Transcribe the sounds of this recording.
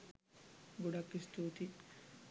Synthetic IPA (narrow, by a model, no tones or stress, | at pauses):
ɡoɖɐkːist̪uːt̪i